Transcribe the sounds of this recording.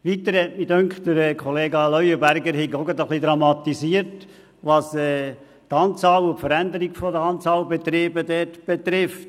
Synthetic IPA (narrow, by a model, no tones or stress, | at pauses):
ʋit̪əɾɛtmidœŋkχttəɾɛkʰɔleːɡɑlœʏəbæɾɡəɾhɪɡɔɡɑd̪əχlid̪ɾɑmɑt̪isiːəɾt | ʋɑsɛː | t̪ɑːnt͡sɑːlʊtfəɾænd̪əɾiɡfɔdəɑnt͡sɑːlbet̪ɾeːbəd̪ɛtb̥et̪ɾɪft